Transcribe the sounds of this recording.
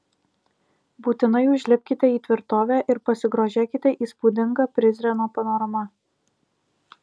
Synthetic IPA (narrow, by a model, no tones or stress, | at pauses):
buːt̪ʲɪnɐɪʊʒʲlʲɪpʲkʲɪt̪ʲɛiːt̪ʲʋʲɪɾt̪oːʋʲæːʔɪɾpɐsʲɪɡɾoːʒʲeːkʲɪt̪ʲɛʔiːspud̪ʲɪŋɡɑpʲɾʲɪzʲɾʲɛnoːpɐnoːɾɐmɐ